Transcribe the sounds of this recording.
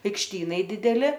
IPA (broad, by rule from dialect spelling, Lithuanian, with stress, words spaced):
ɐɪkʃʲˈtʲiːnɐɪ ˈdʲɪdʲɛlʲɪ